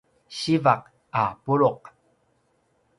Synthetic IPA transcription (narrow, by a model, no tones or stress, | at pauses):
ɕivaq̚ | apuɾuq̚